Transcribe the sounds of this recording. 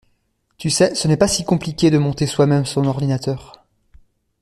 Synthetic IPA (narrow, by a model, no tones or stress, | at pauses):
t̪ysɛsənɛpasikɔ̃plikʲed̪əmɔ̃t̪eswamɛmsɔ̃nɔʁd̪inat̪œːʁ